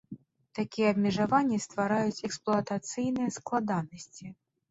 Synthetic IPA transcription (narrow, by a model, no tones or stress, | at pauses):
t̪akʲijɛɐbmʲɛʐavanʲːist̪vaɾajut͡sʲɛksplˠʊɐt̪at̪sɨjnɨjɐsklˠad̪anɐsʲt͡sʲi